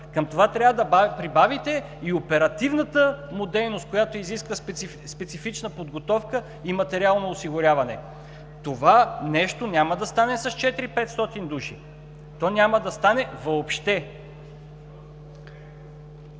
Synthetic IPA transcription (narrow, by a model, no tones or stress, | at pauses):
kəmt̪ovat̪ɾʲavəd̪ɐpɾibavit̪ɛ | iopɛɾɐt̪ivnət̪əmod̪ɛjnost̪̚kojat̪oiziskvə | spɛt̪sifit͡ʃnəpod̪ɡot̪ɔfkə | imɐt̪ɛɾʲialˠnoːsiɡʊɾʲavɐnɛ | t̪ovanɛʃt̪onʲaməd̪ɐst̪anɛsɐst͡ʃɛt̪iɾipɛt̪st̪ɔt̪ind̪uʃḭ | t̪ɔnʲaməd̪ɐst̪anɛvɐopʃt̪ɛ